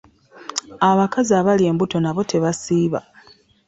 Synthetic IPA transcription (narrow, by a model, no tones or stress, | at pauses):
aβakazaːβalje̞ːmbuto̞naβo̞tʰe̞βasiːβa̰